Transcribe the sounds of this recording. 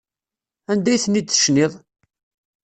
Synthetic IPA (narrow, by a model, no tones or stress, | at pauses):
ænd̪æjθənːid̪θə̥ʃnɪðˤ